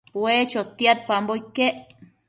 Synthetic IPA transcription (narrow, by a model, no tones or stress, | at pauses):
wet͡ʃot̪ːiat̪̚pamboikːeʔ